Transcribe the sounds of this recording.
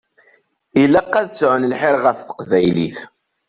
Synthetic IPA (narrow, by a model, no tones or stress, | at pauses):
ilːæqːæðsʕənəlħɪɾʁəfθə̥qvæjlḭθ